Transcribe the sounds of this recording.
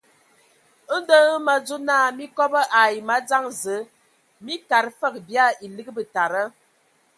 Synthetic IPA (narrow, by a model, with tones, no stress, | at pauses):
ə˦n˦də˦ə˦ma˨d͡zu˦naː˦˨mi˦kɔ˦bə˦ʔa˨ji˨ma˦d͡za˦ŋzə˨˦ | mi˦ka˨ɾfə˦˨k̚bja˦˨i˨lɨ˦ɡə˦bə˨ta˨ɾə˦